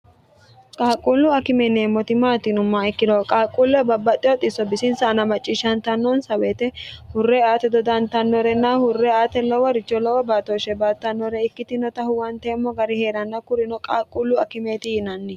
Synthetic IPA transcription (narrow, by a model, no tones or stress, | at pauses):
kʼaːkʼːulːʊɐkɪmɛneːmːɔt̪ɪmaːt̪ɪnʊmːaːɪkːɪd̪ɔkʼaːkʼulːɛbɐbːɐt̪ʼːɪɔt̪ʼɪsɔbɪsɪnsɐnɐmɐt͡ʃʼːiːʃːɐnt̪ɐnːɔnsɐweːt̪ɛhʊrːɛaːt̪ɛd̪ɔd̪ɐnt̪ɐnːɔɾɛnːahʊrːɛaːt̪ɛlɔwɔɾɪt͡ʃːɔlɔwɔbaːt̪oːʃɛbaːt̪ːɐnːɔɾɛɪkːɪt̪ɪnɔt̪ɐhʊwɐnt̪ɛːmːɔɡɐɾɪhe̞ːɾɐnːɐkʊɾɪnɔkʼaːkʼːulːʊɐkɪmeːt̪ɪjɪnɐnːɪ